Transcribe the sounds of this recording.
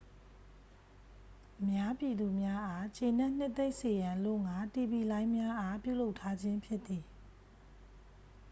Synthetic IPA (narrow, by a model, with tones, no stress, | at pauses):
ʔəmja˦pi˨d̪u˨mja˦ʔa˦t͡ɕe˨nɛ˦ʔn̥ɪ˦ʔt̪ːe˦ɪʔse˨jã˨lʊ̃˦˨ŋa˨˦ti˨bi˨lã˦ɪ̃mja˦ʔa˦pjṵ˦˨lo˦ʊʔtʰːa˦d͡ʑɪ̃˦mpʰjɪ˦ʔ̪t̪ːi˨